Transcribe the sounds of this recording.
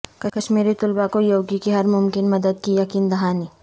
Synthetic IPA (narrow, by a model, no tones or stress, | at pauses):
kɐkɐʃmiːɾit̪ʊlbakojoːɡikiɦɐɾmʊmkɪnmɐd̪əd̪̚kijɐkiːnd̪ɐɦaːni